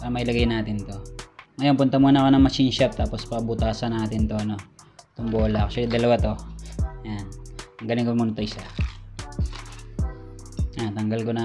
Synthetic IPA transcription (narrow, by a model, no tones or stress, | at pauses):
paɾɐmɐjlɐɡajnaːt̪ɪnt̪o̞ŋɐjo̞npʊnt̪ɐmuːnɐko̞nɐŋmɐsinʃap̚t̪aːpo̞spɐbʊt̪aːsɐnaːt̪ɪnt̪o̞ʔɐno̞t̪ʊŋboːlɐkʃɐd̪ɐlɐwat̪o̞janɐŋɡɐlɪkomuːnɐt̪oɪsa | at̪ɐŋɡɐlkonɐ